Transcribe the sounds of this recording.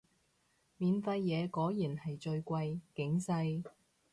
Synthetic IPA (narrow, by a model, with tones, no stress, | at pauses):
miː˨nfɐ˧jːɛː˨˧kɔː˨˥jjiː˨˩nhɐ˨jt͡ʃɵ˧ɥkʷɐ˧jkɪ˨˧˥ŋsɐ˧j